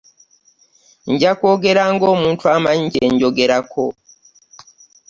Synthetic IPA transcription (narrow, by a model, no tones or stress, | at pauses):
ɲɟakoɡeɾaŋɡomuːntʰuamaɲɟeɲɟoɡeɾakʰo